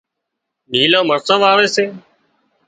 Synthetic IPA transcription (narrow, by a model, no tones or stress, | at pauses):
niːlãːməɾsəʋaːʋeːseː